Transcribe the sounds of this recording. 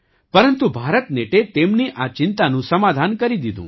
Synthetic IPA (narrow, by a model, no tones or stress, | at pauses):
pəɾənt̪ubʱaɾət̪neʈet̪emniʔat͡ʃɪnt̪anũsəmad̪ʱankəɾid̪id̪ʱṵ̃